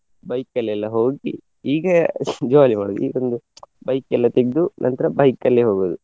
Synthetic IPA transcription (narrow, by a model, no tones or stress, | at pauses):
bɐjkːɐlːɛlːɐɦoːɡi | iːɡɐd͡ʒoaːlimaːɽod̪uiːɡond̪ubɐjkːɛlːɐt̪eɡ̚d̪unʔɐ̰nt̪ɐɾɐbɐjkːɐlːeɦoːɡoːd̪u